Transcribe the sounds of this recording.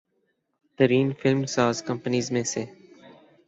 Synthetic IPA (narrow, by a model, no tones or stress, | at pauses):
t̪əɾiːnfɪlmsaːzkə̃mpəniːzmẽːseː